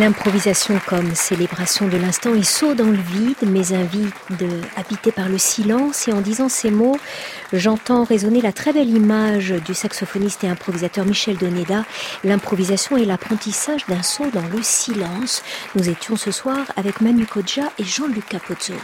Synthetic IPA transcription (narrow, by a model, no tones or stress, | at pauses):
lɛ̃pχɔvizasjɔ̃kɔmselebʁasjɔ̃d̪əlɛ̃st̪ɑ̃ɛsod̪ɑ̃ləvid̪mɛzɛ̃vi | d̪abit̪epaʁləsilɑ̃seɑ̃d̪izɑ̃semo | ʒɑ̃t̪ɑ̃ʁezɔnelat̪χɛbɛlimaʒd̪ysaksɔfɔnist̪eɛ̃pχɔvizat̪œʁmiʃɛld̪ɔned̪alɛ̃pχɔvizasjɔ̃ɛlapχɑ̃t̪isaʒd̪ɛ̃sod̪ɑ̃ləsilɑ̃snuzet̪jɔ̃səswaʁavɛkmanykɔd̪ʒaʔeʒɑ̃lykapɔt̪z̥o̰